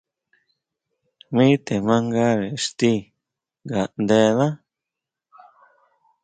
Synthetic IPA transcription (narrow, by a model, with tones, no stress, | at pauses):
mĩ˦t̪e˨mã˦ŋɡa˦ɾe˨ʂt̪i˦ | ɡa˨ʔnd̪e˧ðã˦